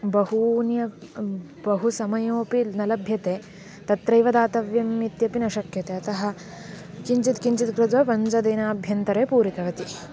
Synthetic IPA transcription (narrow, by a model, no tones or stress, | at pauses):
bɐhunjɐ | bɐɦusɐmɐjoːpinɐlɐbʱjɐt̪eː | t̪ɐt̪ɾɐjʋɐd̪aːt̪ɐʋjɐmit̪jɐpinɐʃɐkjɐt̪eːɐt̪ɐɦɐ̆ | kiɲt͡ʃit̪kiɲt͡ʃit̪kɾɪd̪ʋɐpɐɲd͡ʒɐd̪eːnaːbʱjɐnt̪ɐɾeːpuːɾik̪ɐʋɐt̪i